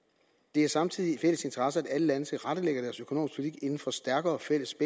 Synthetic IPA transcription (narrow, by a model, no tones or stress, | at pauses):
d̥e̝æɐsɑ̈mt͡sʰið̞̰ˠiifel̰əse̝nt͡sʰɐʁɑsəæd̥æləlænəsəʁɑɾ̥əleɡ̥ɐd̥æɐsøkʰono̝̰ːmis̚pʰuli̥t͡sʰḭɡ̥e̝nn̩fɒ̽sd̥æɐɡ̥ɐːɒfel̰əsb̥e